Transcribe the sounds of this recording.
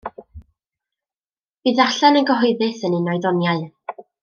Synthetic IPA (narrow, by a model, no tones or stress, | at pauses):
b̥ɨːðaɬanənɡəɦɔɨðɨθənɪnɔɨðɔnjaɨ